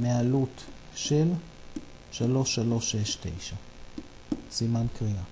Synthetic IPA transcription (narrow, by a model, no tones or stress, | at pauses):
mealutʃel | ʃalo̞ʃalo̞ʃeʃt̪e̞̰jʃa | simankʁia